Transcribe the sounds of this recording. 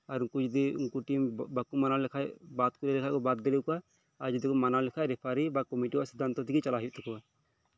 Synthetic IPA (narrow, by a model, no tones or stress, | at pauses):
aɾkud͡ʒd̪ɛuŋkuʈimbakumanalɛkʰajbat̪̚kuɾɛlɛkʰajkɔbat̪̚ɡɛlɛkɔa | ad͡ʒud̪ɛkɔmanalɛkʰajɾɛpʰaɾibakɔmiʈiɔsid̪ʱant̪ɔt̪ʰikit͡ʃalaɦijuʔt̪ɛkɔa